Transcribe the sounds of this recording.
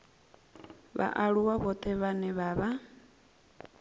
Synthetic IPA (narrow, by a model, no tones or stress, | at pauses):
βa̰ʔaɺuwaβɔt̪ʰʼɛβanɛβaβa